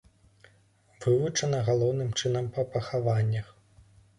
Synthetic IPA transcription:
vɨvut͡ʂɐnɐɣalˠɔwnɨmt͡ʂɨnɐmpɐpɐxavanʲːɐx

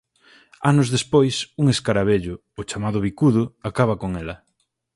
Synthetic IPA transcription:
anʊzðespojsuŋeskaɾaβeʎʊːʊt͡ʃamaðʊβikuðʊakaβɐkoŋɛlɐ

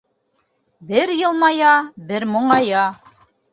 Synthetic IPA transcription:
bɘɾjɤ̆lˠmɑjɑbɘɾmŏɴɑjɑ

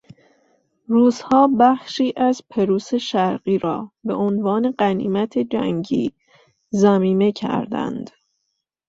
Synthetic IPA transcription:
ruːzhɒːbæχʃiːʔæzpʰe̞ɾuːse̞ʃæɾɢiːɾɒ̰ːbe̞̰ʔonvɒːne̞ɢænḭːmæt̪ʰe̞d͡ʒæ̰ŋɡiː | zæmiːme̞cʰæ̰ɾd̪æ̰nd̪̥

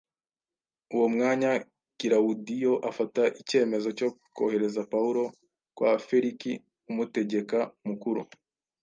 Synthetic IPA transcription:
uwo̞mŋaːɲa | kiɾaudijo̞ʔafataʔice̞ːme̞zo̞co̞ko̰he̞ɾe̞zapauɾo̞ | kwafeɾiki | umute̞ɟe̞kamukuɾṵ

